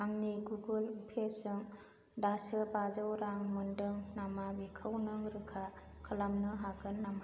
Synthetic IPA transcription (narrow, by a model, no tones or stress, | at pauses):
aŋniɡuɡɯlpʰesɯŋ | dasɯbazɯwɾaŋmɯndɯŋnamabikʰɯwnɯŋɾɯkʰa | kʰɯlamnɯɦaɡɯnːama